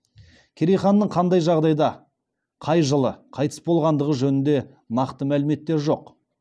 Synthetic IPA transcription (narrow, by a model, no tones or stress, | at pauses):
kʲʰeɾejχɑnːəɴqʰɑnd̪ɑjʒɑʁd̪ɑjd̪ɑ | qʰɑjʒəlˠəqʰɑjt̪ə̥sbo̞lˠʁɑnd̪əʁəʒɵnɪnd̪e̞ | nɑqt̪əmælɪme̞t̪ːe̞ɾʒo̞q